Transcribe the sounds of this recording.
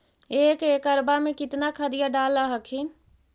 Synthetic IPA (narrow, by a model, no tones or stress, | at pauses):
eːkeːkəɾbamẽkɪt̪nakʰəd̪ijaɖaːlːaɦəkʰi